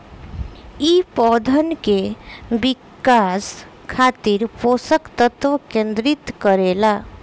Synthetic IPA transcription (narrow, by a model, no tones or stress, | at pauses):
ipɔd̪ʱənkebikas | kʰaːt̪iɾposəkt̪ət̪ʋəkẽnd̪ɾit̪kəɾela